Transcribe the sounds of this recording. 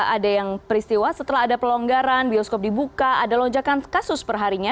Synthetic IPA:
adajaŋpəɾist̪iwasət̪əlaɦadapəlɔŋɡaɾanbiɔskɔp̚dibukaadalɔɲd͡ʒakankasʊspərɦaɾiɲa

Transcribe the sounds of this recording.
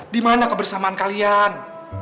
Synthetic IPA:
dimanakəbərsamaankalian

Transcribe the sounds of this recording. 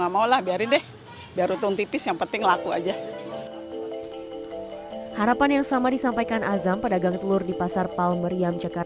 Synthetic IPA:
ŋamaulahbiaɾɪndɛh | biaɾut̪ʊŋt̪ipɪsjaŋpənt̪ɪŋlakua̰d͡ʒa | haɾapanjaŋsamadisampajkanʔazampədaɡaŋt̪əlʊrdipasarpalməɾiamt͡ʃəkar

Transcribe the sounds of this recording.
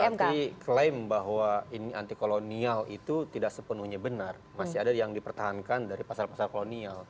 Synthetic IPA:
k̪iklembaɦwainiant̪ikolonialit̪ut̪idaksəpənuhɲabənar | masiadajaŋdipərt̪aɦankandaɾipasalpasalkolonial

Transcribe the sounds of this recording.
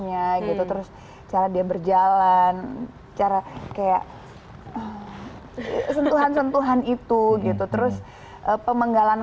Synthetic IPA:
ɲaɡit̪ut̪əɾʊs | t͡ʃaɾadiabərd͡ʒalan | t͡ʃaɾakajaʔ | əm | sənt̪uɦansənt̪uɦanit̪uɡit̪ut̪əɾʊs | ʔəpəməŋɡalan

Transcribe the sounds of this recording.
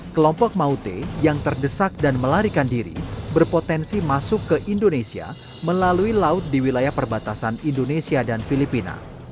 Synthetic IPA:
kəlɔmpɔk̚maut̪ḛjaŋt̪ərdəsak̚danməlaɾikandiɾḭbərpot̪ɛnsimasʊkːəʔindonesia̰ | məlaluilaʊt̪̚diwilajahpərbat̪asanindonesiadanfilipina̰

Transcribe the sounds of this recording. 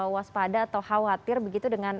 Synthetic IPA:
waspadaːt̪awhawat̪ɪrbəɡit̪udəŋan

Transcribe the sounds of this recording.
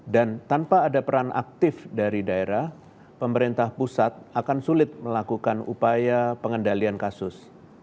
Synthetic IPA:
dant̪anpaːdapəɾaŋʔa̰k̚t̪ɪfdaɾidaeɾah | pəməɾint̪ahpusat̪̚ʔakansulɪt̪̚məlakukanṵpajapəŋəndaliankasʊs

